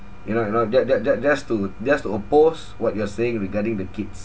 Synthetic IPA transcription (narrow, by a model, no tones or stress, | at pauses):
junojunod͡ʒad͡ʒad͡ʒasd͡ʒastud͡ʒastuopos | wɔt̚juaseɪ̃ŋɹiɡadĩŋdəkits